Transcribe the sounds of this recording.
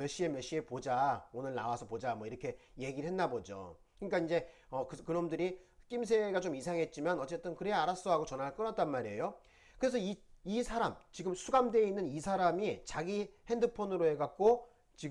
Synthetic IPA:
jʌɕ͈ie̞mjʌɕ͈iepod͡ʑaonɯɭnawasʰʌpod͡ʑamwʌiɾʌkʰe̞je̞ɡiɾɯɭɦenːabod͡ʑo̰ | ɯɲik͈aind͡ʑe̞ʌkɯkɯɾʌmndɯɾik͈ims̬ʰe̞ɡat͡ɕomisʰaŋɦe̞t̚t͡ɕ͈imanʌt͡ɕ͈e̞t͈ɯnkɯɾeaɾas͈ʌɦaɡot͡ɕʌnaɯɭk͈ɯnat͈̚anmaɾejo | kɯɾe̞sʰʌiisʰaɾamt͡ɕiɡɯmsʰuɡamde̞inːɯnisʰaɾamit͡ɕaɡihe̞ndɯpʰonɯɾoe̞ɡak̚k͈o | t͡ɕi

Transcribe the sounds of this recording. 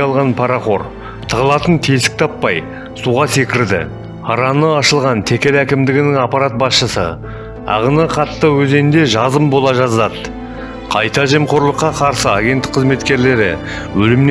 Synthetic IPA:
ɑlˠʁɑnpʰɑɾɑχo̞ɾ | t̪ʰəʁəlˠɑt̪ənt̪ʰesɪ̥k̚t̪ʰɑpːɑj | suʁɑse̞kʲɪɾd̪ɪ̰ | ɑɾɑnəɑʃəlˠʁɑnt̪ʰe̞kʲe̞lækʲɪmd̪ɪɡʲɪnɪŋɑpɑɾat̪̚bɑsʃəsə̰ | ɑ̰ʁənəqʰɑt̪ːəwɵze̞nd̪e̞ʒɑzəmbo̞lˠɑʒɑzɑd̪ | qʰɑjt̪ɑʒe̞mqʰoɾlˠəqːɑqʰɑɾsəɑɡʲe̞nt̪ɪqʰːəzme̞t̪kʲe̞ɾle̞ɾɪ̰ | wɵlɪmn

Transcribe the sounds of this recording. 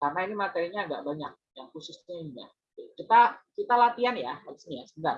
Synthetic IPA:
karnainimat̪eɾiɲaːɡa̰ʔbaɲa̰k̚jaŋhusʊsɲaiɲa̰ | ikit̪akit̪alat̪ianjahaɾisinijasədar

